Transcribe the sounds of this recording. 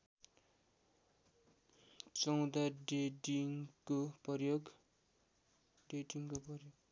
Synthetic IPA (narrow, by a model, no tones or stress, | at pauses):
t͡sʌw̃d̪aɖeʈiŋkopʌjoɡ | ɖeʈiŋkopʌrjoɡ̚